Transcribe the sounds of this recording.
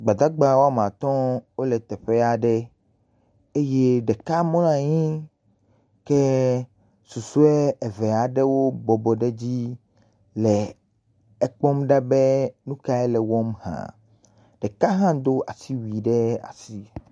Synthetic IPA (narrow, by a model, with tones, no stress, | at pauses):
ɡ͡ba˨d̪a˦ɡ͡ba˨wo˦a˦˨m˨ã˨t̪ɔ̃˦wo˦lɛ˨t̪ɛ˨ɸe˦a˨ɖɛ˦ | e˦je˦ɖɛ˨ka˦mɔ̃˦nã˨ɲĩ˦ | ke˦ | su˨su˦ɛ˦ɛ˨ve˨a˨ɖe˦wo˦bɔ˨bɔ˨ɖe˦d͡ʑi˦ | lɛ˨ | ɛ˦k͡pɔ˦mɖa˦be˦nũ˦ka˦ɛ˦lɛ˨wɔ˦mhã̰˨ | ɖɛ˨ka˦ɦã˦d̪o˦a̰˨si˦wi˨ɖe˦a̰˨si˦